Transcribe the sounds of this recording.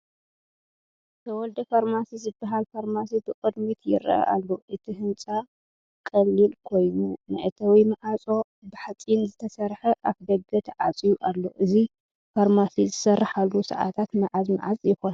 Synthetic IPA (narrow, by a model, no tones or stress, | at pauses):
t̪ʰɐwɔld̪ɐfaɾmasizɨbːaɦalfaɾmasibɨkʼɨd̪mit̪jɪ̰ɾ̰a̰ʔa̰lːoʔɨt̪ʰiɦɨnt͡sʼa | kʼɐlːilkʰo̞jnunɨʔɨt̪ʰɐwimɨʔat͡sʼo̞ | bɨħat͡sʼinzɨt̪ʰɐsɐɾħɐʔaβd̪ɐɡɐt̪ʰʕat͡sʼijuʔalːo̞ʔɨzi | faɾmasizɨsɐrːaħalːusɐ̰ʔa̰t̪ʰat̪maʕazma̰ʕazjɪxonɐ